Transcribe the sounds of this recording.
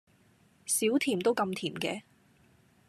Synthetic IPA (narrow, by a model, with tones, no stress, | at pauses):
siː˨˥wt̪ʰiː˨˩mt̪o˥wkɐ˧mt̪ʰiː˨˩mkɛ̰ː˧